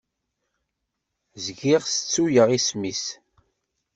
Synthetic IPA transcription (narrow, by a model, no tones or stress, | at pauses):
zɡiʁsət͡sːujəʁismis